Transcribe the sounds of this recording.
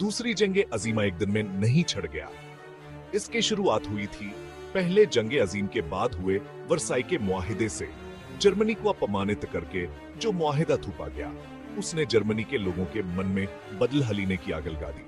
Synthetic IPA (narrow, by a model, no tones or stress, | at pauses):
d̪uːsɾid͡ʒɐ̃ŋɡeʔɐziːmaeːk̚d̪ɪnmẽnɐɦĩt͡ʃʰɐɽɡɐja̰ː | ɪskeʃʊɾuaːt̪ɦʊit̪ʰi | pɛɦled͡ʒɐ̃ŋɡeɐziːmkebaːd̪ɦʊe | ʋɐɾsaːikemʊaːɦɪd̪esḛ | d͡ʒɐɾmənikoɐpɾɐmaːnɪt̪kɐɾke | d͡ʒoːmʊaːɦɪd̪at̪ʰuːpa̰ɡɐja̰ː | ʊsned͡ʒɐɾmənikeloːɡõkemɐnmẽ | bɐd̪əlɦɐliːnekia̰ːɡəlɡa̰ːd̪ḭː